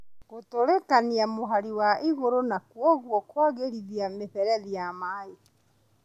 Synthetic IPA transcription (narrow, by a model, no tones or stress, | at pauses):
ɣotoɾekaniamoɦaɾiwaʔiɣoɾonakwɔɣwɔkwaɣeɾiðiameɸɛɾɛðiamae